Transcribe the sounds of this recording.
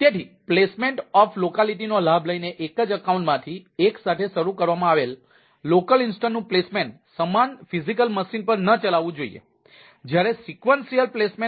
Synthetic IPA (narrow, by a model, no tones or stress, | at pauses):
t̪et̪ʰiplesmeɳʈɔflokaliʈ̬inolabʱləineʔekəd͡ʒəkaũɳʈmãt̪ʰieksat̪ʰeʃəɾukəɾʋamãaʋelː | okəlinsʈənːũplesmeɳʈ | səmanfʰizikəlməsinpəɾnət͡ʃəlaʋũd͡ʒoḭjḛ | d͡ʒjaɾesikʋənsijəlplesme